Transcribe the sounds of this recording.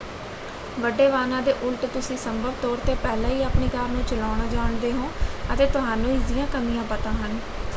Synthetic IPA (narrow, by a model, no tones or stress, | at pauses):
ʋəɖːeːʋaːnãːd̪eːʔʊlʈt̪ʊsĩːsəmbəbt̪ɔːɾt̪eːpɛːlãːiːaːpneːɡaːɾnũːt͡ʃəlaːɽaːd͡ʒaːɳd̪eːɦõːət̪eːt̪ʊɦaːnũːiːd̪ɪjãːkəmijãːpət̪ãːɦən